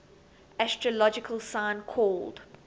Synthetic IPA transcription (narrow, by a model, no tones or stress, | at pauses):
æstɹəlɔd͡ʒɪkʰəlˠsãɪ̃nkʰɔːld̥